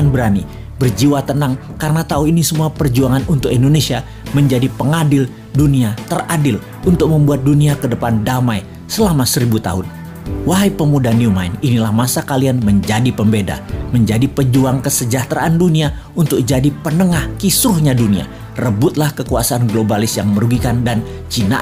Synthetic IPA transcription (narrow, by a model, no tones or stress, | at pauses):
anbəɾani | bərd͡ʒiwat̪ənaŋ | kaɾənat̪auinisəmuapərd͡ʒuaŋanunt̪ʊkindonesia | məɲd͡ʒadipəŋadɪl | duniat̪əradɪl | unt̪ʊk̚məmbuat̪̚duniakədəpandamaj | səlamasəɾibut̪a̰ɦʊn | waɦaipəmudaniumaininilahmasakalianməɲd͡ʒadipəmbeda̰məɲd͡ʒadipəd͡ʒuaŋkəsəd͡ʒaht̪ɾaʔandunia | unt̪ʊk̚d͡ʒadipənəŋahkisɾʊhɲadunia̰ | rəbʊt̪̚lahkəkuasaʔanɡlobalɪsjaŋməɾuɡikandant͡ʃina̰